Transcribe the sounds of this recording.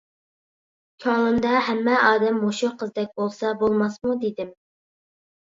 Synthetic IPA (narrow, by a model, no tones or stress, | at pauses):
kʲʰoŋlˠɨnd̪ɑhɛmːɛɑːd̪ɛmhoʃuqʰəzd̪ɛk̚ʲbolˠsɑbolˠmɑsmud̪ed̪ɪm